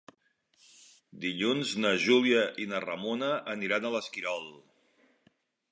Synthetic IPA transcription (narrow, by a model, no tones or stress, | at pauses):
d̪iʎunznəʒuliəʔinərəmonəːniɾanələskiɾɔlˠ